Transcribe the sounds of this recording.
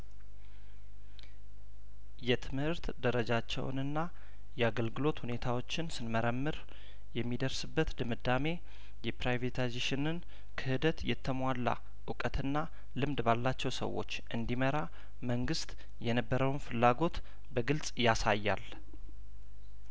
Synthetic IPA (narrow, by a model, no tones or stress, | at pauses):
jɛt̪ʰɨmhɨɾt̪d̪əɾəd͡ʒat͡ʃːɛ̰w̰nɨnːa | jɛaɡəlɡɨlo̞t̪hune̞t̪ʰawo̞t͡ʃːɪnsɨnməɾəmːɨɾ | jɛmːid̪əɾsɨbːət̪d̪ɨmɨd̪ame̞ | jɛpɾajvet̪ʰajzeʃɪnɨn | kʰəhɨd̪ət̪jɛt̪ʰːəmʷalːa̰ | ʔɨkʼət̪ʰɨnːa | lɨmd̪balːat͡ʃːɛwsə̰wːo̞̰t͡ʃːʔɨnd̪iməɾa | məŋɡɨst̪ | jɛnəbːəɾəwnfɨlːaɡo̞t̪ | bəɡɨlsʼjasajːa̰l